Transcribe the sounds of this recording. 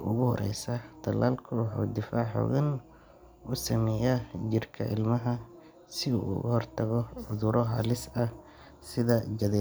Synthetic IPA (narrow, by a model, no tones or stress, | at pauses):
ʊɣʊhɔ̰ɾɛ̰jsad̪̥ʰɐlaːlkʰɐwɑħṵːd̪ɪfaːħɔ̰ːɣɐn | ʊsɐmɛːjɐt͡ʃɪrkʰɐ̰ʔɪ̰lmɐɦɐ | sɪṵːʊ̰ɣʊ̰hɔrt̪ʰɐɣɔʕʊðʊɾɔɦa̰ːlɪsɐ | sɪðɐd͡ʒɐðɛː